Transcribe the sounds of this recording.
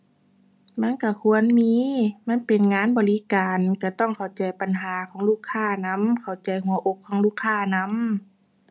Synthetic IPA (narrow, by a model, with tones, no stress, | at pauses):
ma˧˥˨nka˧˩kʰu˧˥ə˨nmiː˧˥˨ma˧˥˨npe˨nŋaː˧˥˨nbɔː˨li˧˦kaː˨˩nka˧˩t̪ɔ˧˥˩ŋkʰa˨˩wt͡ɕa˨jpa˨nɦaː˨˦kʰɔː˨˦ŋluː˥˩kʰːaː˧˩˨na˧˥˨mkʰa˨˩wt͡ɕa˨jɦu˨˩˦ɐʔo˧kkʰːɔː˨˦ŋluː˥˨kʰːaː˧˩na˧˥m